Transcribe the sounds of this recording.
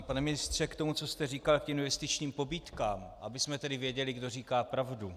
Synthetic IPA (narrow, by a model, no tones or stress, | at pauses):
panɛmɪnɪst̪r̝̥ɛkt̪o̞mut͡sost̪ɛriːkalkɪnvɛst̪ɪt͡ʃɲiːmpo̞biːt̪kaːmʔabɪsmɛt̪ɛdɪvjɛɟɛlɪɡdo̞riːkaːpɾavdu